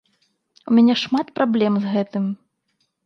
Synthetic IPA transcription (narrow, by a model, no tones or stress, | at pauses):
umʲanʲɛʂmat̪pɾʔablʲɛmzɣɛt̪ɨm